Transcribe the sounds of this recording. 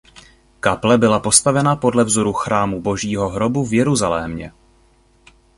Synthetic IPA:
kaplɛbɪlapo̞st̪avɛnapo̞dlɛvzo̞ɾuxɾaːmubo̞ʒiːɦo̞ɦɾo̞buvjɛɾuzalɛːmɲɛ̰

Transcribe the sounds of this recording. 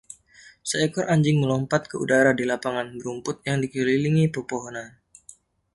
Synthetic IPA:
səɛkɔrʔaɲd͡ʒɪŋməlɔmpat̪̚kəṵdaɾadilapaŋanbəɾumpʊt̪̚jaŋdikililiŋipərpoɦonan

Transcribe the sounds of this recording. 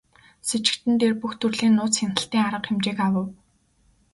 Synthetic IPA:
set͡ɕɪ̥̆kt̪ɘ̆nt̪ʰerpuxt̪ʰɵrɮeːnːʊːt͡sxenə̆ɬt̪iːŋaɾə̆qxemt͡ɕeːkawə̆w

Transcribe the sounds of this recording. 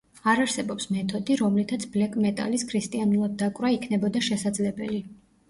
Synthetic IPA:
aɾaɾsɛbɔpsmɛt̪ʰɔd̪iɾɔmlit̪ʰat̪sʰblɛkʼmɛt̪ʼa̰liskʰɾist̪ʼianulˠad̪̚ːakʼvɾaikʰnɛbɔd̪aʃɛsad̪zlɛbɛli

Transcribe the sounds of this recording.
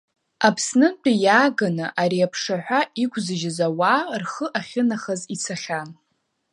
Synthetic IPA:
apʰsnɨt͡pʷʰʼijaːɡanɨʔaɾiapʰʂaħʷᶣaikʷʰʼzɨʒɪzawarχəʔaχʲɪnaχəzit͡sʰaχʲam

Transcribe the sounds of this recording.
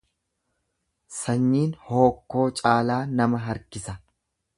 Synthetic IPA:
sɐɲːiːnho̞ːkːo̞ːt͡ʃʼaːlaːnɐmɐɦɐɾkɪsɐ

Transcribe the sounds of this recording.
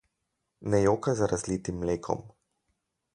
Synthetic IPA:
nɛjoːkazaɾazlit̪imːleːkʰɔ̰m

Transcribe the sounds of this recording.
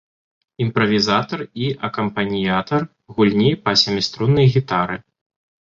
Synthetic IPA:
impɾɐvʲizat̪ɐriʔɐkɐmpɐnʲjat̪ɐr | ɣulʲnʲipɐsʲɛmʲist̪ɾunːɐjɣʲit̪aɾɨ

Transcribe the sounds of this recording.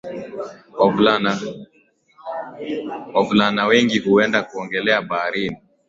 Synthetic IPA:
ɔvla | avulanawɛŋɡihuɛndakuɔŋɡɛlɛaɓaːɾini

